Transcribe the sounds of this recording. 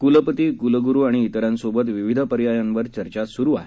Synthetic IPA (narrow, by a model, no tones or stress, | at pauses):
kuləpət̪ikuləɡuɾuːaɽ̃iːt̪əɾjãnsobət̪ʋiʋid̪ʱəpəɾjajanʋəɾt͡ɕəɾt͡ɕasuɾuːaɦe